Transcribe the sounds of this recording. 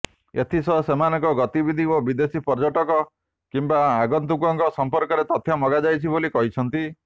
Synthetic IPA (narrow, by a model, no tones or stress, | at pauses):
ḛt̪ʰisɔɦsemanɔ̃ŋkɔɡɔt̪ibid̪ʱiobid̪esipɔɾd͡ʒɔʈɔkɔ | kimbaaɡɔnt̪ukɔŋkɔsɔmpɔɾkɔɾet̪ɔt̪ʰjamɔɡad͡ʒajt͡ʃʰibolikɔɦit͡ʃʰɔnt̪i